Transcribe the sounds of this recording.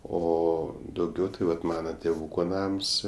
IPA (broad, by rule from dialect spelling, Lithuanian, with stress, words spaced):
oː dɐʊˈɡʲɛʊ tɐɪ ˈʋɐt ˈmɑːnɐ tʲeːˈʋuːkoː ˈnɐms